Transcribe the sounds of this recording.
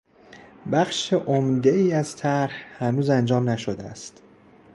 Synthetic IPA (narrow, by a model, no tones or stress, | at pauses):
bæxʃeʔomd̪eiːæz̥t̪ʰæɾhhænuːzænd͡ʒɒːmnæʃod̪eæ̰st̪